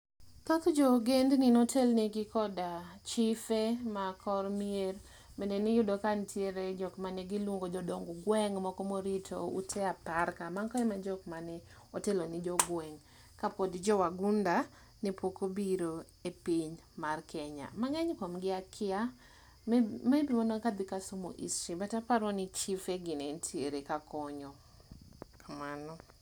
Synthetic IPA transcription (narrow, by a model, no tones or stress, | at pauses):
t̪ɔt̪d͡ʒɔɡendninotʰelnɪɡɪkɔdat͡ʃifemakʰɔrmier | mendenɪjʊdɔkantʰjeɾed͡ʒɔkmaneɡɪlwoŋɡod͡ʒɔdɔŋɡoɡwɛŋmɔkɔmoɾitʰo̰ṵtʰɛapaɾkamaŋkɔjmad͡ʒɔkmanɛ | ɔtelonɪd͡ʒɔɡwɛŋ | kapodd͡ʒɔwaɡunda | nipʰokobiɾo | epiɲ | markʰɛɲa̰maŋɛɲkɔmɡɪakʰɪa | mebimonokad̪ɪkasomo̰ʔḭsɾibatapaɾɔnɪt͡ʃifeɡɪnentʰieɾekakɔɲɔ | kʰamanɔ